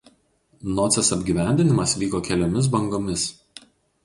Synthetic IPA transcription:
nɔːt̪sʲɛsɐbʲɡʲiːˑʋʲæˑnʲd̪ʲɪnʲɪmɐsʋʲiːkoːkʲɛlʲoːmʲɪs̬bɐŋɡoːmʲɪs

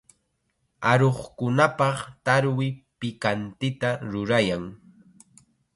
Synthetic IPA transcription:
aɾoχkʊnapɑχt̪aɾwɪpɪkant̪ɪt̪aɾʊɾajaŋ

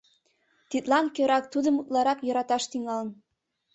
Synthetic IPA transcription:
t̪it̪lɑnkøɾɑk̚t̪ud̪ə̆mut̪lɑɾɑkjɤ̆ɾɑt̪ɑʃt̪iŋɑlə̆n

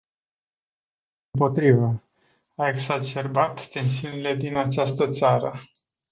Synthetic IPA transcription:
ɨmpo̞t̪ɾivə | ae̞ɡsat͡ʃe̞rbat̪ːe̞nsiunile̞d̪inat͡ʃast̪ət̪saɾə

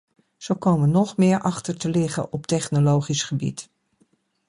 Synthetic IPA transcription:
z̥owkowmənɔχmɪːɹʔɑχtəɹtəlɪχə̰ʔɔptɛχnolowχisχəbḭt

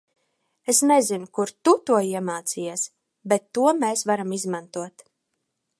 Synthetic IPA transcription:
esnezinʊkuɾt̪ut̪uɔiɛmaːt̪sijɛs | bet̪ːuɔmeːsvaɾamizmant̪uɔt̪

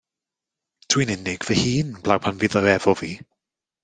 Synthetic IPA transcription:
tʰwinɪnɪɡ̥v̥ɛhiːnb̥lawpʰanvɪðɔɛvɔviː

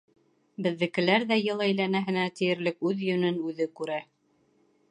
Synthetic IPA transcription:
bɘ̆ðːɘ̆kɘ̆læɾðæjɤlˠæjlænæɦɘ̆næt̪ɘ̆jɘ̆ɾlɘkʉðjɵ̆nɵnʉðɘkʉɾæ

